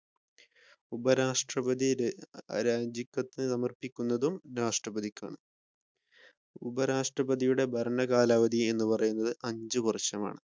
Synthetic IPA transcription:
ubɐɾaːʂʈrɐbɐðḭ | ɾaːd͡ʑikʲːɐt̪ːinɨsɐmɐrpikʲːunːɐðumɾaːʂʈrɐbɐðikʲːa̰ːɳɨ | ubɐɾaːʂʈrɐbɐðijuɽe̞bʱɐɾɐɳɐɡaːlaːʋɐd̪ie̞nːupɐrɐjunːɐðɨʔɐɲd͡ʑɨkurɐɕːɐma̰ːɳɨ

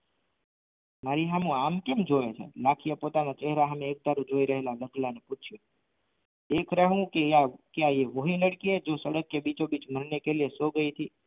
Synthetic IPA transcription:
maɾiɦamũamkemd͡ʒoʋet͡ʃʰḛlakʰijəpot̪anat͡ʃeɦɾaɦəmẽːk̚d̪aɾũd͡ʒoiɾəɦelaləɡlaneput͡ʃʰjo | ekɾəɦʋũkeakeaeʋoɦĩləɽkied͡ʒosəɽəkːebit͡ʃobit͡ʃməɾnekelesoɡəit̪ʰi

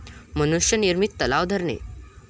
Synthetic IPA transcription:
mənuʂjəniɾmit̪ːəlaʋd̪ʱəɾɳḛ

